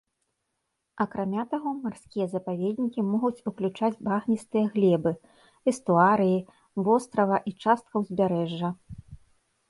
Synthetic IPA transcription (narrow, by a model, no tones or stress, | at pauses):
ɐkɾamʲat̪aɣɔmarsʲkʲijɐzɐpavʲed̪nʲikʲimɔɣut͡sʲuklʲut͡ʂad͡zʲbaɣnʲist̪ɨjɐɣlʲɛbɨ | ɛst̪uaɾɨji | vɔst̪ɾɐvɐʔit͡ʂast̪̚kɐwzʲbʲaɾɛʐːɐ